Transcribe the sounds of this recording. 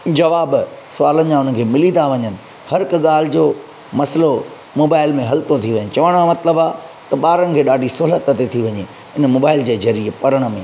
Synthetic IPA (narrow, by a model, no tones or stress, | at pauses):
d͡ʑɐʋaːb | sʋaːlənɪ̆mãʊnəkʰeːmɪlid̪aʋɐɲənɪ̆ | hɐɾkɠaːl̤ɪd͡ʑoː | mɐslo | moːbaːɪlmẽɦɐlt̪ot̪ʰiʋɐɲəɪt͡ɕɐʋaːɽ̃amɐt̪ləbaːt̪ɐɓaːɾənɪ̆kʰeːɗaːɖʱisoːlət̪ːɐt̪et̪ʰiʋɐɲe | ɪnmoːbaːɪld͡ʑeːzɐɾiəpɐɾəɽ̃mẽ